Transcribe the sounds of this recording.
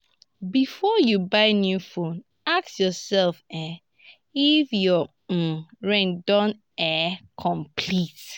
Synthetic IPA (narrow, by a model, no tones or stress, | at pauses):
bifɔjubaɪnjufõn | aksjɔsɛlfɛ | ifjɔ | ɹɛ̃ndɔ̃n | ɛkʰɔ̃mpʰlit